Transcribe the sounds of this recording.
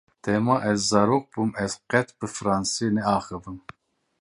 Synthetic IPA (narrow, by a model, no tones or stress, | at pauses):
t̪ʰɛmɑʔɛzːɑɾoq̚b̥umɛzqɛt̪bɨfɾɑnsinɛɑːχɨvɨm